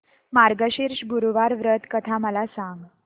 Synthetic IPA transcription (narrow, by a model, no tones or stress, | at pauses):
maɾɡəɕiɾɕbʱuɾuʋaɾʋɾət̪kət̪ʰaməlasaŋɡ